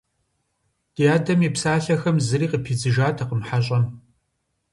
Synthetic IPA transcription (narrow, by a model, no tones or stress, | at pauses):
d̥ijaːdɐmipsaːɬɐxɐmzɨriːqəpʰiːd͡zɨʒaːtʰɐqəmħaɕʼɐn